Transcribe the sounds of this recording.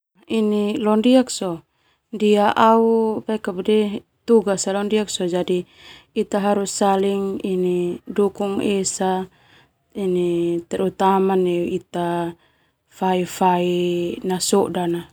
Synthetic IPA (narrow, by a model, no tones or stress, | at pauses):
inilɔndiak̚sɔ | ndiaʔaupakabudɛ | t̪uɡasalɔndiak̚sɔd͡ʒadi | it̪aɦaɾusːaliŋinidukuŋesa | init̪ɛɾut̪amanɛit̪a | faifainasɔʔdana